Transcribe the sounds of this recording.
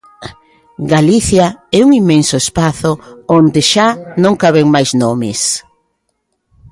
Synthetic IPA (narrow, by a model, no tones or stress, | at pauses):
ɡaliθjaɛuŋimensʊespaθʊond̪ɪʃanõŋkaβeŋmajznomɪs